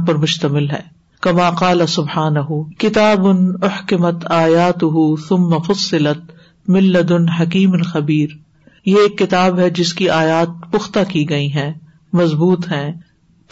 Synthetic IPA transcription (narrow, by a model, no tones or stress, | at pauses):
pɐɾmʊʃt̪ɐmɪlɦɛ̰ː | kɐmaːqaːlɐsʊbħaːnɐɦʊkɪt̪aːbʊnʊħkɪmɐt̪aːjaːt̪ʊɦuθʊmːɐfʊsːɪlɐt̪̚ | mɪlːɐd̪ʊnħɐkiːmnxɐbiːɾ | jeeːkːɪt̪aːbɦɛd͡ʒɪskiʔaːjaːt̪̚pʊxt̪akiɡɐiɦɛ̃ː | mɐzbuːt̪ɦɛ̃ː